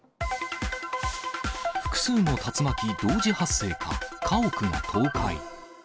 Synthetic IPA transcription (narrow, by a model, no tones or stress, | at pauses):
ɸɯ̥kɯ̟̥sɨːnːo̞t̪at͡sɨmakʲid̪o̞ːʑihasːe̞ːkʰa̰kʰaokɯ̟ŋa̰t̪ʰo̞ːkaḭ